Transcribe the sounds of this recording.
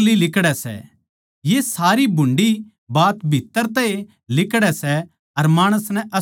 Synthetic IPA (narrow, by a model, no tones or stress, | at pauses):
lilɪkɽɛsɛ̰ | jesaːɾibʱʊ̃ɳɖi | baːt̪bʱit̪ːəɾt̪ɛe | lɪkɽɛsɛ | ɐɾmaːɽ̃əsnɛ̃ʔɐ